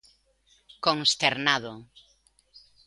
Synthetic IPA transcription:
koŋst̪eɾnaðo

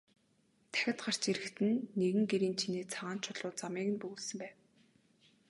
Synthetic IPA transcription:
t̪ʰæ̥xʲɪ̆t̪ɢar̥t͡ɕeɾɘ̆xt̪ɘ̆nːeɣɘ̆ŋɡeɾiːnt͡ɕʰineːt͡sʰaʁaːnt͡ɕʰʊɮʊːt͡samiːɣɘ̆npɵɣuːɮsɘ̆mpæːw

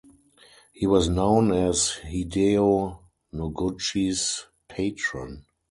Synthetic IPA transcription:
hiːwɔsnõʊ̃nɛshideo | nɔɡʊt͡ʃis | pʰeɪtɹɔ̃n

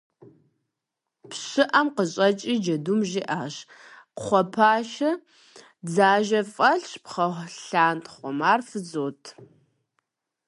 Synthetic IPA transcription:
pɕɨʔɐmqəɕʼɐt͡ʃʼiːd͡ʒɐdumʒiːʔaːɕ | χʷɔpʰaːʃɐ | d͡zaːʒɐfʼɐɬɕpχɐɬaːntʰʼχʷɔmaːrfɨd͡zoːtʰ

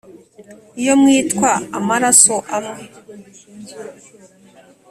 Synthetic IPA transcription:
ijomŋiːtkwaa̰maɾasoʔamŋe

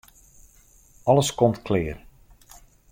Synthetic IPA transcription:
ɑləskomtkʰlɪːr

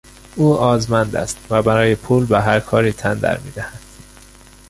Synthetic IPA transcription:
ʔuːɒːzmænd̪æ̰st̪væbæɾɒːjepʰuːlbeɦæɾkʰɒːɾiːt̪ʰænd̪æ̰ɾmḭːd̪æhæd̪̥

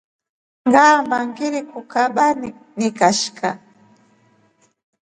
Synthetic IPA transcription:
ŋɢaːmbaŋkɪɾɪkʊkabanɪ | nɪkaʃka

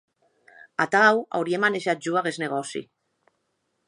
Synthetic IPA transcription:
at̪awa̰wɾiemaneʃat̪̚d͡ʒuaɣezneɣ̞osḭ

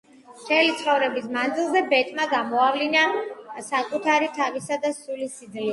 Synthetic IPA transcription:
tʰɛlit̪sʰχɔvɾɛbismand̪zilˠzɛbɛt̪ʼmaɡamɔavlinasakʼut̪ʰaɾit̪ʰavisad̪asulisid̪zli

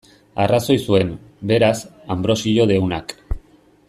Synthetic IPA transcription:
araso̞jsue̞m | be̞ɾasambɾo̞siʎo̞ðe̞wnak

